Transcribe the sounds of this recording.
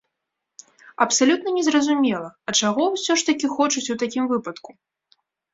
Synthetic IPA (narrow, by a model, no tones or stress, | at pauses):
ɐpsalʲut̪nɐnʲɛzrɐzumʲɛlˠɐɐt͡ʂaɣɔwsʲɔʂt̪ɐkʲixɔt͡ʂut͡sʲuwt̪akʲimvɨpɐt̪ku